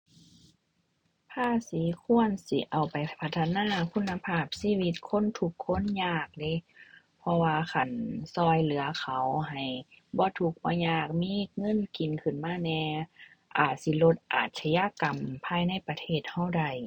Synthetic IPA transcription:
t̪ʰaː˧˥˨si˨˦kʰu˧˥ənsḭ˧˦ʔa˨˩wpa˨˩jpʰa˧t̪ʰːa˧naː˧˥˨kʰu˧˥˨nːa˧pʰaː˧˩p̚siː˧˥˨wi˧t̪̚kʰo˧˥˨nt̪ʰu˧˦kʰːo˧˥˨nɲaː˧˩k̚de˧˦˨ | pʰɔ˧waː˧kʰa˨˩nsɔː˧˩jlɯ˨˦ɐkʰa˨˩wɦa˨˩j | bɔː˧˦t̪ʰu˧˦k̚bɔː˧˦ɲaː˧˩k̚miː˧˥˨ŋɤ˧˥˨nki˨˩nkʰɯ˨˩˨nmaː˧˥˨nɛː˧ | ʔaː˨˩t̪̚si˧˦lo˧t̪̚ʔa̰ː˨˩t̪̚sa˧ja˧˨ka˨mpʰaː˧jna˧˥˩jpa˧t̪ʰeː˧˩t̪̚ha˧˩˨wda˧˩j

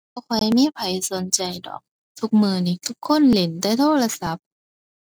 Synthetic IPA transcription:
a˧˩kʰa˧˩jmiː˧˥˨pʰa˨˦jso˨˦nt͡ɕa˧jdɔ̰ː˨˩k̚ | t̪ʰu˧˥k̚mɯː˧˩niː˨˧˩t̪ʰu˦˧˥kʰːo˧˥˨nle˨˦ndaː˧˩jt̪ʰoː˥˩la˧sa˨˦p̚

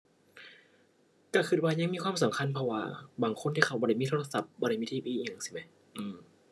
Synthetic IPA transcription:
ka˧˩kʰɯ˧˩t̪̚waː˧ɲa˧ŋmiː˧˥kʰwaː˧˥˨msa˨˦mkʰa˧˥˨npʰɔ˧waː˧baː˨˩ŋkʰo˧˥˨nt̪iː˧˨a˧˩wbɔː˧˨ɾa˧˩jmiː˧t̪ʰo˧a˧sa˧˦p̚bɔː˧˨ɾa˧˩jmi˧iː˧˩˨ʔiː˧˨˧a˨˩ŋsi̥˧˩ma˦˥ | ʔɯː˧˩m

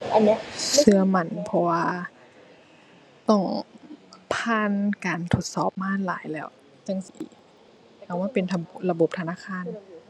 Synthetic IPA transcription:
ʔa˨n˦sɯ˧ɐma˧˩˨npʰɔ˧waː˧ | t̪ɔ˧˩ŋ | pʰaː˧˥˨nkaː˨nt̪ʰo˧˩t̪̚sɔː˧˩p̚maː˧˥˨la̰ː˨˦jlɛː˧˩˨w | t͡ɕa˧˨ŋsi˨˧˦ | ʔa˧˩wmaː˧˥˨pe˨nt̪ʰa˧la˧bo˨˧˦p̚t̪ʰa˧naː˧˥˨kʰaː˧˥˨n

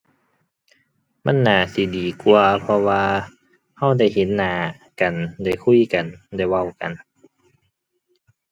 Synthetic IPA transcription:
ma˧˥˨nːaː˨˧˩si˨˦diː˨˩ku˧ɐpʰɔ˧waː˧ | ha˧˥˩wda˧˥˩jhe˨˦nːaː˨˧˦ | ka˨˩nda˧˩jkʰu˧˥˨ka˨˩nda˧˥˩jwa˧˩˨wka̰˨n

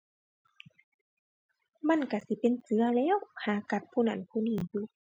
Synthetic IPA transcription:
ma˧˥˨nka˧˩si˧˦pe˨nsɯ˨˦ɐlɛː˧˥˨whaː˨˩ka˧p̚pʰuː˧˨na˧˩˨npʰuː˧˨niː˧˩juː˧˨

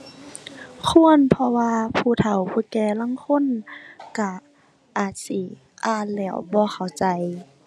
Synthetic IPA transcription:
kʰu˧˥˨ənpʰɔ˧waː˧pʰuː˧˩t̪ʰa˨˩wpʰuː˧˩kɛː˧˩la˧˥˨ŋkʰo˧˥˨nka˧˩ | ʔaː˨˩t̪̚si˧˦ | ʔaː˧˩nlɛː˧˩˨wbɔː˧˦xʰa˨˩wt͡ɕa˨˧˦j

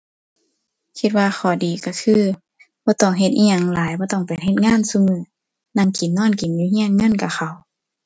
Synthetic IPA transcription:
kʰi˧t̪̚waː˧xʰɔː˨˩diː˨˦ka˧˩kʰɯː˧˨ | b̥ɔː˧˦t̪ɔː˧˩ŋɦe˧t̪̚ʔḭː˧ɲa˧˨ŋlaː˨˦jbɔː˧˦t̪ɔ˧˩ŋpa˨jɦe˧˦t̪̚ŋaː˧˥˨nsu˧˨mɯː˨˦ | na˧˥˨ŋki˨˦nːɔː˧˥˨nki˨˦nɲuː˧˨hi˧˥˨ə˨nŋɤ˧˥˨nka˨˩xʰa˨˩w

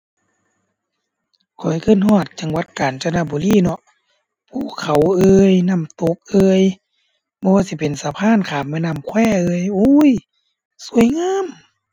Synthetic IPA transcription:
kʰɔ˨˩jkʰɯː˧˥˨nhɔː˧˥˩t̪̚t͡ɕa˨˧˦ŋwa˧˦˥t̪̚kaː˨˩nt͡ɕa˧na˧˨buː˨˦liː˧˥˨nɔ˧ʔ | pʰuː˧˩˨kʰːa˨˩wʔɤː˧jna˧˥˩mt̪o˧˦k̚ʔɤː˧j | bɔ˧waː˧˨si˧˦pe˨nsaː˨˧˦pʰaː˧˥˨nkʰaː˨˩mːaː˧˥˨na˧˥˩mkʰwɛː˧˥˩ʔɤː˧˨jʔuː˧˥j | su˧˨əjŋaː˧˥˨m

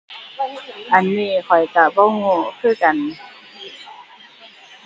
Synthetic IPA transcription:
ʔa˨˩nːiː˧˨kʰɔ˨˩jka˧bɔ˧˥˨wŋo˧˨kʰɯː˧˥˨ka˨n

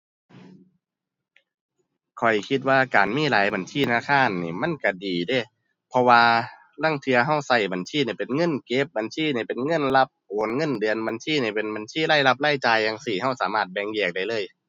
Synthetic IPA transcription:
kʰɔ˨˩jkʰi˧t̪̚waː˧kaː˨˩nmiː˧˥˨laː˨˦jba˨nsʰiː˧˩˨na˧kʰaː˧˥˨nːiː˧˩ma˧˥˨nka˧˩diː˨˩de˧˥˩ | pʰɔ˧waː˧ | la˧˥˨ŋt̪ʰɯ˧ɐɦa˧˩wsa˧˩jba˨˩nsʰiː˧˥˨ni˧˩pe˨nŋɤ˧˥˨nke˧˦p̚ba˨nsiː˧˥˨ni˧˩pe˨nŋɤ˧˥˨nla˧˥p̚ʔoː˨˦nŋɤ˧˥˨ndɯ˨ənba˨˦nsiː˧˥˨ni˧˩pe˨nba˨nsiː˧˥˨laː˧˥˨jla˧p̚laː˧˥˩jt͡ɕaː˨˧jːa˧ŋsiː˨˩ha˧˥˩wsaː˨˦maː˧˩t̪̚bɛː˧ŋjɛː˧˩k̚da˧˩jlɤː˧˥˨j

